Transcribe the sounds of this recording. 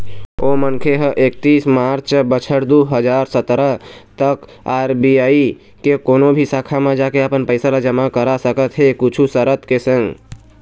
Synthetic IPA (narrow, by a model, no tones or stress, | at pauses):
oːmənkʰeɦəʔeːk̚t̪iːsmaːɾt͡ʃbət͡ʃʰəɾd̪uːɦəd͡ʒaːɾsət̪ɾət̪ək | aːɾbiaːi | kekoːnobʱisaːkʰamãd͡ʒaːkeapənpəɪsalad͡ʒəmakəɾasəkət̪ɦekʊt͡ʃʰusəɾət̪kesə̃ŋɡ